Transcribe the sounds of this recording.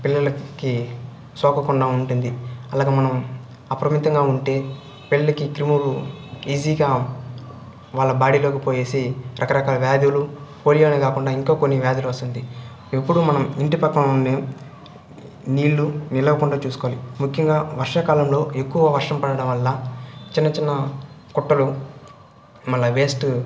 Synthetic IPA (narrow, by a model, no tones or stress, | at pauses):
pilːɐlɐki | sɔːkɐkuɳɖaːuɳʈund̪iɐlaːɡeːmɐnɐm | ɐpɐɾɐmit̪ɐŋɡaːuɳʈe̞ː | pelːɐlɐkikɾimuluiːziːɡaː | ʋaːɭːɐbaːɽilo̞ːkipoːje̞ːsiɾʔɐkɐɾɐkaːlɐʋjaːd̪julupo̞ːlijoːnekaːkuɳɖaːiŋkaːkonːiʋjaːd̪juluɐst̪und̪i | epːuɽumɐnɐmiɳʈipɐkːɐmonːeː | niːɭːunilɐʋɐkuɳɖaːt͡ʃuːsu̥koːlimukʰjɐŋɡaːʋɐɾʂakaːlɐmlo̞ːe̞kːuʋɐʋɐɾʂɐmpɐɽɐɽɐmʋɐlːɐt͡ʃinːɐt͡ʃinːɐ | kuʈːɐlu | mɐlːɐʋe̞ːsʈ